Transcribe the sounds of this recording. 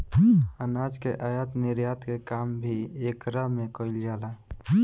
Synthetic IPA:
ənaːd͡ʒkeʔajat̪nɪɾjaːt̪kekaːmbʱieːkɾəmẽkɔɪld͡ʒaːla

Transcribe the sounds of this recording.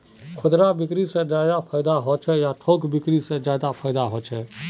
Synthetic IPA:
kʰʊd̪ɾabɪkɾisẽd͡ʒjaːd̪apʰaːɪd̪aɦoːt͡ʃʰɛjaʈʰoːkbɪkɾisẽd͡ʒjaːd̪apʰaːɪd̪aɦoːt͡ʃʰɛː

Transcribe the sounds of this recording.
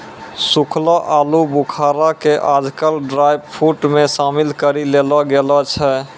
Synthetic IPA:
sukʰlaʔalubukʰaɾakeʔad͡ʒkəlɖɾajbpʰuʈmẽsamɪlkəɾilelɔɡelɔt͡ʃʰɛ

